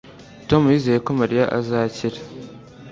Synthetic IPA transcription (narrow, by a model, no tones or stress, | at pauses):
tomjizekʊmɐɾjaʔa̰zaːt͡ʃiɾ